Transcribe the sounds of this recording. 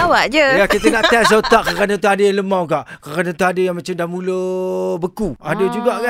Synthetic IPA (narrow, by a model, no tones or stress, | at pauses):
awaʔd͡ʒəjakit̪əŋaʔt̪ɛs̬ot̪aʔkəɣanat̪̬uadəjaləmawɡaʔkəranat̪uadəjaŋmãt͡ʃamdahmũləbəkuadəd͡ʒuɡaʔka